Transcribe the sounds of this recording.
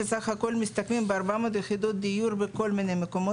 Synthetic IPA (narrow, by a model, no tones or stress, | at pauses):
esaχhako̞lmist̪akmimbeaɾbaamot̪jexid̪ot̪̚d̪ijuɾbeko̞lminejmeko̞mo